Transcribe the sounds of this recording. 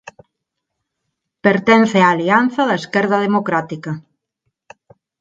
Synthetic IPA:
peɾt̪ɛn̟θeaːlianθɐðɐeskɛɾðɐð̞emokɾat̪ikɐ

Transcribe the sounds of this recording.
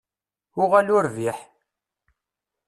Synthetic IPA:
ʊʁælʊɾviħ

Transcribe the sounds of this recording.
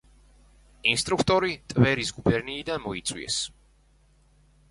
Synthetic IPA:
inst̪ʼɾukʰt̪ʼɔɾit̪ʼvɛɾisɡubɛɾniːd̪anmɔit̪sʼwḭɛ̰s

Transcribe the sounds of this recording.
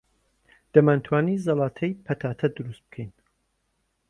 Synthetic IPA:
d̪̥ɐmaːnt̪ʰwaːnizɑlˠɑːt̪ʰɐjpʰɐt̪ʰaːt̪ʰɐd̪ɨɾust̪̚b̥ɨ̥kʰɛjn

